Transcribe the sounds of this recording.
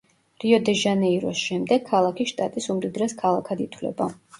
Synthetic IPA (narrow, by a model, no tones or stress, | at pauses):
ɾiɔd̪ɛʒanɛiɾɔsʃɛmd̪ɛɡ̚ʰːalˠakʰiʃt̪ʼat̪ʼisumd̪id̪ɾɛskʰalˠakʰad̪it̪ʰwlɛ̰ba